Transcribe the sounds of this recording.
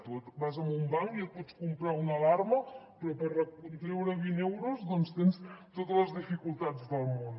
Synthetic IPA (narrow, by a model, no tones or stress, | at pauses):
t̪ut̪bazəmbumbaŋkiot̪̚pɔt͡ʃkumpɾaunəlaɾməpɾɔpərəkunt̪ɾɛwɾəβinewɾuzðɔnst̪enst̪ot̪ələzðifikulˠt̪ad͡zðəlˠmon